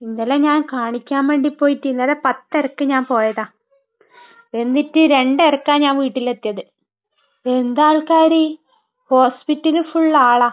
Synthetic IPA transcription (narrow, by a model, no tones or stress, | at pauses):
inːɐlːeɲaːnkaːɳikʲːaːnʋeːɳɖipːo̞ːjitːiunːɐðepɐt̪ːerɐkːɨɲaːnpo̞ːjɐðaː | e̞nd̪itːɨɾe̞ɳɖerɐkːaːnɲaːnʋiːʈːilet̪ːijɐðɨ | e̞nd̪aːɭkaːɾi | ho̞ːspitːɐlfuɭːaːɭɐ